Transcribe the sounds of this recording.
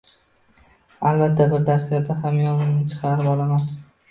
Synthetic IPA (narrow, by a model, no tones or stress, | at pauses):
albat̪ʰːabɪɾd̪aɾsaɾd̪ahamjɒnɪmnɪt͡ʃʰɪ̥qʰɑɾɪpɒlˠaman